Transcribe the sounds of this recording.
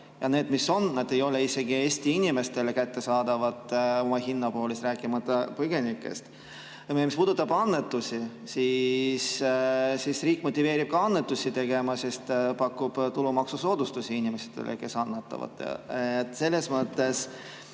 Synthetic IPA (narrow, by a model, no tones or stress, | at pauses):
jɑne̞ːd̪misːo̞nnɑd̪̥e̞jo̞le̞ise̞ɡie̞ːsʲt̪iinʲime̞st̪e̞lekæt̪ːe̞sɑːd̪ɑvɑt̪ːˑo̞mɑhinːɑpo̞ːlist̪ɾæːkˑimɑt̪ːˑɑpɤɡe̞nikːˑe̞̰st̪ | mispuːd̪ut̪ːˑɑbɑnːe̞t̪ːusʲi | sis | sisriːkːˑmo̞t̪ʲːive̞ːɾib̥̚kɑɑnːe̞t̪ːˑusʲit̪e̞ɡ̥e̞mɑsest̪pɑkːub̥t̪ulumɑksusoːd̪ust̪usʲiinʲime̞set̪ḛlḛke̞sɑnːet̪ːˑɑ̰vɑ̰t̪ːˑɑ̰et̪ːˑse̞lːe̞smɤt̪ːˑe̞s